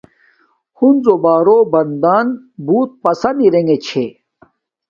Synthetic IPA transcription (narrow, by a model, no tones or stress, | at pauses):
hunzobaːɾobɐnd̪aːn | buːt̪̚pɐsɐniɾeŋɡet͡ɕʰe